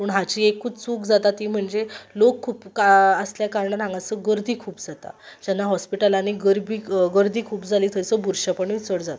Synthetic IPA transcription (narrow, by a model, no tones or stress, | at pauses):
məɳɦat͡ɕiːekʰːuːt͡suːkd͡zat̪at̪iːm̤əɳd͡zelokʰːuːpkaəsljakaɾɳanãŋɡat͡səɡəɾd̪ʱiːkʰuːpd͡zat̪a̰d͡ʑanːaɦɔspiʈalaniɡəɾbiːɡəɾd̪ʱiːkʰuːpd͡zaliːt̪ʰəjt͡səbuɾɕəpəɳʋit͡səɽd͡zat̪a